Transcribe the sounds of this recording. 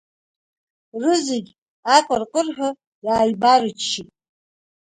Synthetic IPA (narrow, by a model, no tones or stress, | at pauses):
rɨzeɡʲ | aqʼarqʼərħʷᶣʊ | raːjbarɨt͡ʃʰːitʼ